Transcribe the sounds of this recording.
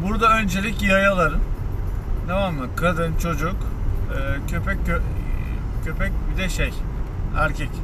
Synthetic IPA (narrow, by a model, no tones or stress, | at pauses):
buɾd̪aø̞nd͡ʒelʲicjiajalˠaɾɯn | d̪avamːɯkʰad̪ɯnt͡ʃʰo̞d͡ʒukː | cʰøpɛcø | cʰøpʰɛc̚bid̪ɛʃej | æ̰ɾcʰɛc